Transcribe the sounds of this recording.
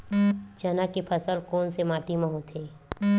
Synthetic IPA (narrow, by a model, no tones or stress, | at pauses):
d͡ʒɐnakepʰəsəlkoːnsemaːʈiməɦũt̪ʰeː